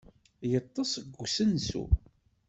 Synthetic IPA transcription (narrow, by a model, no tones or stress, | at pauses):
jət̪ˤːɑsˤəɡʷːsənsṵ